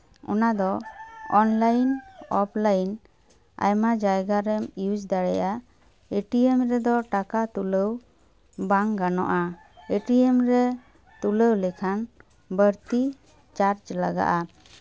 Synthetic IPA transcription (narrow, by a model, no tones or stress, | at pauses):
ɔ̰nad̪ɔɔnlajnɔpʰlajn | a̰jmad͡ʒajɡaɾɛmiud͡ʒd̪aɽɛja | eʈiemɾɛd̪ɔʈakat̪uləw | baŋɡanɔ̰ʔa | eʈiemɾɛ | t̪uləwlɛkʰan | bəɾt̪i | t͡ʃaɾt͡ʃlaɡa̰ʔa